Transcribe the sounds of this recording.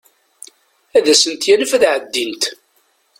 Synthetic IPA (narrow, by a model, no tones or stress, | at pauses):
æðæsənt̪jænəfæðʕəd̪ːint̪